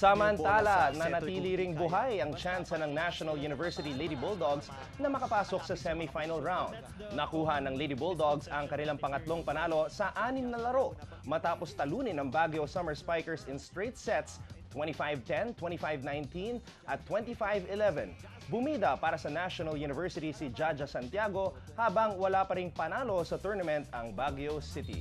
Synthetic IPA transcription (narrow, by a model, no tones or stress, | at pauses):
sɐmɐnt̪aːlɐnɐnɐt̪iːliɾɪŋbʊɦajɐŋt͡ʃansɐnɐŋnaʃonɐljunɪvɛɹsɪt̪ilejd̪ibɔld̪oɡs | nɐmɐkɐpaːsok̚sɐsɛmifajnɐlɹãwnd̪̚ | nɐkuːɦɐnɐŋlejd̪ibold̪oɡsɐŋkɐnɪlaŋpɐŋɐt̪lo̞ŋpɐnaːlo̞sɐʔaːnɪmnɐlɐɾo̞ | mɐt̪aːpost̪ɐluːnɪnɐŋbaɡjosɐmɛɹspajkɛɹsɪnst̪ɹit̪sɛt̪s | wɛntifajvt̪ɛnt̪wɛ̃nt̪ifajvnajnt̪in | ʔɐt̪ːwɛnt̪ifajvɪlɛvɛ̰̃n | bʊmiːd̪ɐpaːɾɐsɐnaʃonɐljunɪvɛɹsɪt̪isɪd͡ʒad͡ʒɐsɐnt̪jaɡo̞ | haːbɐŋwɐlapɐɾɪŋpɐnaːlo̞sɐt̪uɹnɐmɛ̃nt̪ɐŋbaɡjosɪt̪ḭ